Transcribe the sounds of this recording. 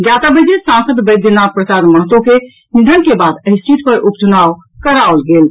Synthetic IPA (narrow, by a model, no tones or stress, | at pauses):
ɡjat̪abəd͡ʒ̪esãnsəd̪bəd̪ʱjənapɾəsaɾməɦət̪oke | nid̪ʱənkebad̪əɦist͡ʃit̪pəɾʔupt͡ʃunaʋ | kəɾaolɡel